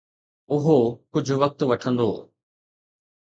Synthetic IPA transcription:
ʊɦokʊd͡ʑʱʊʋɐk̚t̪ʋɐʈʰə̃nd̪oː

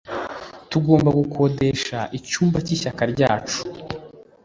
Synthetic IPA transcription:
tuɡo̞ːmbaɡoko̞de̞ʃaʔicuːmbaciʃakaɾɟaːt͡ʃu̥

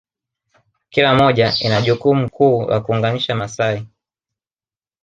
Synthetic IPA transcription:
kilamɔʄainaʄukum̩kʰuːwa̰kuːŋɡaniʃamasai

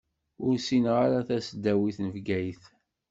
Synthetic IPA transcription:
ʊɾsinʁaɾaθæsd̪æwiθnəvɡæjθ

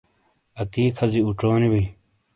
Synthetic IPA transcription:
ɐkiːkʰɐziuʈ͡ʂoːnibi

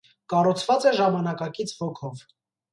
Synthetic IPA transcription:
kɑrut͡sʰvɑt͡sɛʒɑmɑnɑkɑkit͡sʰvɔkʰɔv

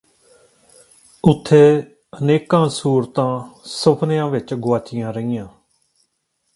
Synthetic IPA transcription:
ʊt̪ʰːeː | əneːkãːsuːɾt̪ãːsʊpʰnɪjãːʋɪt͡ʃɡoaːt͡ʃɪjãːɾəiːjãː

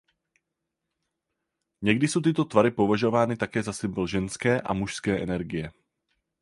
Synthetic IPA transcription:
ɲɛɡdɪso̞wt̪̬ɪt̪o̞t̪vaɾɪpovaʒo̞vaːnɪt̪akɛːzasɪmbl̩ʒɛnskɛːʔa̰muʃskɛːʔɛnɛɾɡɪjɛ

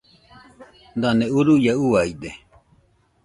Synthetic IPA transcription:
d̪aneuɾujauaid̪e

